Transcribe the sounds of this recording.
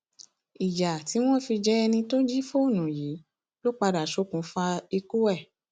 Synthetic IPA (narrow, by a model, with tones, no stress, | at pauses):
i˨ja˨ti˨˦w̃ɔ̃˦fi˧d͡ʒɛ˦ɛ˧nĩ˧to˦d͡ʒi˦fo˦o˦˨nũ˨ji˨˦ | lo˦k͡pa˧da˨ʃo˨˦kũ˨˦fa˧i˧ku˦ɛ˦˨